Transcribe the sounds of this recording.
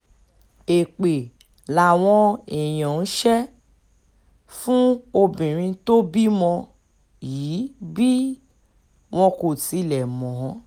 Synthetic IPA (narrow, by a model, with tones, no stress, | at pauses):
e˨k͡pe˨ | la˨w̃ɔ̃˧ɛ˨j̃ã˨n̩˦ʃɛ˦ | fũ˦o˧bĩ˨ɾ̃ĩ˧to˦bi˦mɔ̃˧ | jiː˨˦bi˦ | w̃ɔ̃˧ko˨ti˧˦lɛ˨mɔ̃˨˦